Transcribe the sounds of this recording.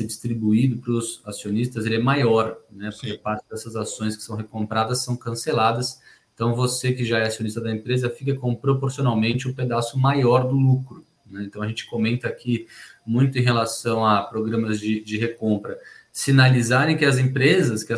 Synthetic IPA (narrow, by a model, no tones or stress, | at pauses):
sed͡ʒist̪ɾibuid̪ʊpɾʊzasionist̪ɐzelɪɛmajɔɾnɛpoɾkepaɾt͡ʃɪd̪ɛsɐzasõj̃skɪ̥sɐ̃w̃ɦekõmpɾad̪ɐsːɐ̃w̃kɐ̃selad̪ɐs | ẽt̪ɐ̃w̃vosekɪʒaɛasionist̪ɐd̪ɐẽmpɾezɐfikɐkõpɾopoɾsionawmẽnt͡ʃɪʊped̪asʊmajɔɾd̪ʊlukɾʊ | nɛẽnt̪ɐ̃w̃ɐʒẽt͡ʃɪ̥komẽnt̪ɐakimũj̃t̪ʊẽj̃ɦelasɐ̃w̃ɐpɾoɡɾɐ̃mɐzd͡ʒɪd͡ʒɪɦekõmpɾɐsinalizaɾẽj̃kɪɐzẽpɾezɐskɪɐ